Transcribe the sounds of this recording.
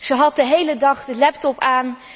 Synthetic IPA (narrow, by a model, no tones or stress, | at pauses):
z̥əɦɑt̚dəɦejlədɑχdəlɛp̚tɔpaːn